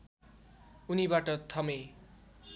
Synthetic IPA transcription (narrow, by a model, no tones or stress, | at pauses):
unibaʈʌt̪ʰʌme